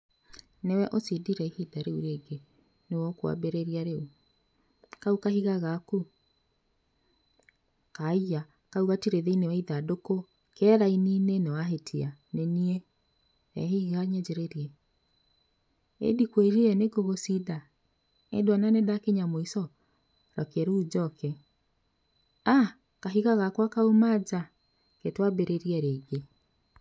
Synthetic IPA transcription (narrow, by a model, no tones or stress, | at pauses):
newɛʔosidiɾɛihidaɾeuɾeːɡe | newɔkwa̰beɾeɾiaɾeu | kaukahiɣaɣaku | kaija | kauɣatiɾeðeinewaiðadoko | kɛɾaininenɛwaɦetʰianeniɛ | ɛ̰ɦiɣaɲɛd͡ʑɛɾeɾiɛ | ḛdikweɾiɛneɡoɣosida | ḛdwananedakeɲamoisɔ | ɾɔkɛɾuud͡ʑɔkɛ | a | kaɦiɣaɣakwakaumad͡ʑa | ketwabeɾʔeɾiɛɾeːɡe